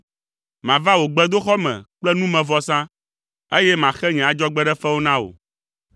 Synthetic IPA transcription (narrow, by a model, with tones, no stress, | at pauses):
mã˨va˦wo˨ɡ͡bɛ˦d̪o˦xɔ˦mɛ̰̃˨k͡plɛ˦nũ˦mɛ̃˨vɔ˨sã˦ | e˦jɛ˦mã˨xɛ˦ɲɛ̃˨a˨d͡ʒɔ˦ɡ͡bɛ˦ɖɛ˦fɛ˦wo˦nã˦wo̰˨